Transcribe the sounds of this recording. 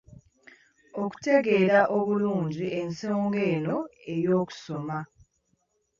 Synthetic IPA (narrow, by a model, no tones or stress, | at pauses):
o̞ku̥te̞ɡe̞ːɾaʔo̞βuluːɲɟiʔe̞nso̞ːŋɡe̞ːno̞e̞jo̞ːku̥so̞ma